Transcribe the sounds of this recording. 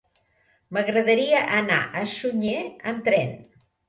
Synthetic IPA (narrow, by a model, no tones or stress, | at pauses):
məɣɾəðəɾiəʔəna̰ʔəsuɲeənt̪ɾɛn